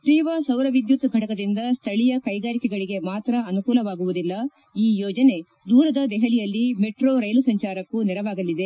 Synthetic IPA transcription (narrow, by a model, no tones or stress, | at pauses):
ʈiːʋasɐwɾɐʋid̪jut̪ɡʱɐʈɐkɐd̪ind̪ɐst̪ʰɐɭijɐkɐjɡaːɾikɛɡɐɭiɡe̞maːt̪ɾɐʔɐnukuːlɐʋaːɡuʋud̪ilːɐ | iːjɔːd͡ʒɐne̞ | d̪uːɾɐd̪ɐd̪ɛɦɐlijɐlːimeʈɾoːɾɐjlusɐɲt͡ʃaːɾɐkːunɛɾɐʋaːɡɐlːid̪e̞